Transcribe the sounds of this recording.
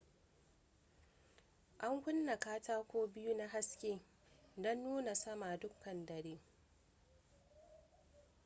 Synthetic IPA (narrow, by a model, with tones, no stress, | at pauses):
ʔa˦ŋkʷʊ˦nːa˨kaː˦taː˦kʷoː˦bɪ˦ju˦na˦ɦa˦skʲeː˦ | dɔ˦nːuː˦na˨sɐ˦ma˨dʊ˦kːɐ˨ndɐ˨ɽeː˦